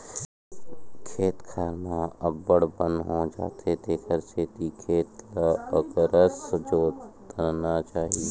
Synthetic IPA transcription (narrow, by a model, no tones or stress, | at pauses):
kʰeːt̪kʰaːɾnaəbːəɽbə̃nd̪ɦõd͡ʒa̰ːt̪ʰet̪eːkʰəɾt͡ʃʰeːt̪ikʰeːt̪kaəkɾəsd͡ʒoː | əɾnat͡ʃaːɦie